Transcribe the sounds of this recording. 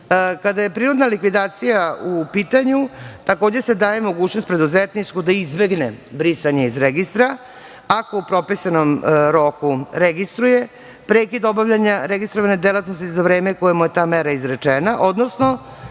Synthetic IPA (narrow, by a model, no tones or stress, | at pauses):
kad̪aje̞pɾiɾod̪nalikʋid̪aːt̪sijaupiːt̪aɲut̪ako̞ːd͡ʑese̞d̪aːje̞mo̞ɡuːt͡ɕnost̪pɾe̞d̪uzet̪nit͡ʃkud̪aizbe̞ɡnebɾisaɲeizɾeɡist̪ɾa | ako̞upɾo̞pisanomɾo̞kuɾeɡist̪ɾuje̞ | pɾeːkid̪o̞baʋʎaɲaɾeɡist̪ɾoʋaned̪elˠat̪nost̪izaʋɾe̞ːmekojemuje̞t̪aːmeɾaizɾet͡ʂenaʔo̞d̪nosno̞